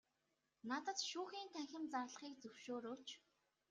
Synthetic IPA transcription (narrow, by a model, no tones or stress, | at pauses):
nat̪ə̆t̪ʃuːxiːnt̪ʰæŋxʲɪ̆mt͡sarɮ̆χiːk̚t͡sɵwʃoːɾoːt͡ɕʰ